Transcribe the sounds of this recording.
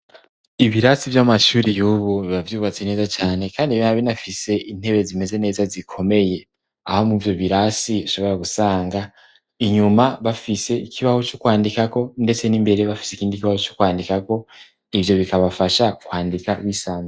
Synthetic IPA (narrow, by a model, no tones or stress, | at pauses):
iβiɾasivjamaʃuːɾijuːβuβiβavjuːβat͡sene̞ːzat͡ʃaːne̞kaːndiβinaβinafise̞ʔin̥he̞βe̞zime̞ze̞ne̞ːzazikʰo̞me̞je̞ | ahomuvjo̞βiɾasiβiʃo̞βo̞ɾaɡusaːŋɡa | iɲumaβafise̞ikʰiβaho̞t͡ʃokwaːndikako̞nde̞t͡se̞nimbe̞ɾe̞βafi̥sekiːndikiβaho̞t͡ʃokwaːndikako̞ | ivjo̞βikaβafaʃakwaːndikawisaːm